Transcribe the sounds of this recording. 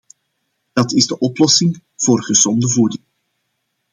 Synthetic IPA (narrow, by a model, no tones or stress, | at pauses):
d̥ɑtɪzdəʔɔplɔsɪŋ | v̥oːrɣəzɔndəvudɪŋ